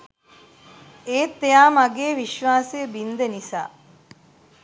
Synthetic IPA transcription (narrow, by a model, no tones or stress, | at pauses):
eːt̪ːejaːmaɡeːʋiʃʋaːsejəbind̪enisa̰ː